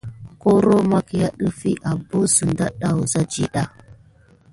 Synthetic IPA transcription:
ko˦ɾo˦ma˦ki˨ja˦ɗə˦fi˦ʔa˨bo˦su˨nda˦ɗa˦wu˨za˦d͡ʒḭ˨ɗa˦

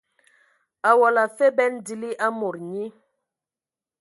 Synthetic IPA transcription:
a˨wɔ˨la˨fe˦bɛ˦ndi˨li˦ʔa˦mo˨ɾɲi˦

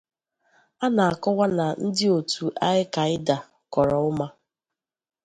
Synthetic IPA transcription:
a˦na˨a˨kɔ˦ɣʷa˦na˨n̩˦dɪ˦o˨tʰu˨ʔa˦ɪ˦ka˨ɪ˦da˨ | kɔ˨ɾɔ˨ʊ˦ma˦

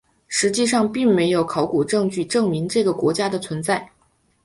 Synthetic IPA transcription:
ʂɻ̩˧˥t͡ɕi˥˧ʂɑ˥˧ŋpi˥˩ŋme˧˥ɪjo˨˧˥ʊkʰɑ˧˥ʊku˨˩ʈ͡ʂɤ˥˧ŋt͡ɕy˥˧ʈ͡ʂɤ˥˩ŋmi˧˥ŋʈ͡ʂɤ˥˩ɡə˩kwɔ̰˧˥t͡ɕja˥d̪ə˨t͡sʰwə˧˥nt͡sa˥˩ɪ

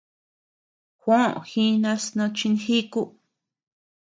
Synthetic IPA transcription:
xʷã̰˦˨xĩ˦nã˧snõ˧t͡ʃĩ˧nxi˦ku˦

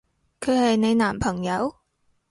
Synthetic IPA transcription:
kʰɵ˨˧ɥhɐ˨jne˨˧jnaː˨˩mpʰɐ˨˩ŋjɐ˨˧w

